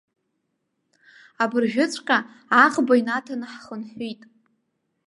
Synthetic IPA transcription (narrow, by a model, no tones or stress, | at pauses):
abɨrʒᶣʊt͡sʷʰʼqʲʼa | aχʼbainatʰanɨħχənħʷitʼ